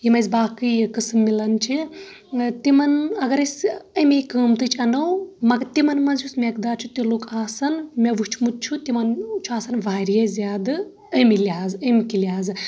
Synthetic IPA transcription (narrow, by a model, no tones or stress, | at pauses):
jimɐzbaːkɨjkɨsɨmːilɐnt͡ʃʰi | t̪imɐnɐɡɐɾɐsʲɐmʲekəːmt̪ɨt͡ʃʰɐnɐwmɐɡɐt̪imɐnmɐnzjusmʲek̚d̪aːɾt͡ʃʰut̪ilukʰaːsɐnmʲeʋɨt͡ʃʰmut̪̚t͡ʃʰut̪imɐnt͡ʃʰuaːsɐnʋaːɾjezʲjaːd̪ɨ | əmilʲjaːzəmkilʲaːzɨ